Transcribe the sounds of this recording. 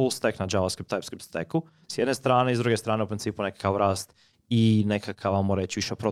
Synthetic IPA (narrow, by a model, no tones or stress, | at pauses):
ulˠst̪eknad͡ʒaʋaskɾipt̪ːajpskɾip̚t̪st̪eku | sjed̪nest̪ɾaːne̞izd̪ɾuɡest̪ɾaːne̞upɾint̪siːpune̞kḁkaʋɾaːst̪ | ine̞kʰakʰaʋamoɾet͡ɕiʋiʃepɾo